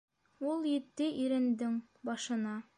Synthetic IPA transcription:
ulˠjɘ̆t̪ːɘʔiɾɘ̆nd̪ɘŋ | bɑʃɤ̆nɑ

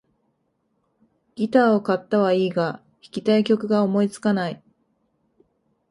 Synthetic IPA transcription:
ɡ̥ʲit̪aːo̞kat̪ːaβaiːɡa | çi̥kʲi̥t̪aikʲo̞kɯ̟ɡao̞mo̞it͡sɨ̥kanai

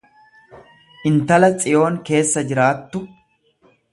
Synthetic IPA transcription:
ʔɪnt̪ɐlɐt͡sʼɪjo̞ːŋke̞ːsːɐd͡ʒɪɾaːt̪ːʊ

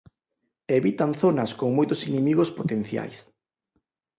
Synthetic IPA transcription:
eβit̪anθonɐskoŋmojt̪osinemiɣospot̪enθja̰js

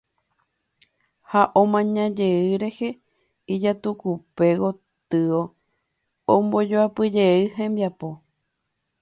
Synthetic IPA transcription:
haʔõmãɲãd͡ʒe̞ɨɾe̞he̞ | id͡ʒat̪ukupe̞ɣo̞ | t̪ɨo | õmbo̞d͡ʒoapɨd͡ʒeɨɦẽmbjapo

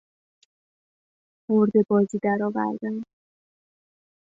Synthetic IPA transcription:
moɾd̪ebɒːziːd̪æɾɒːvæ̰ɾd̪æn

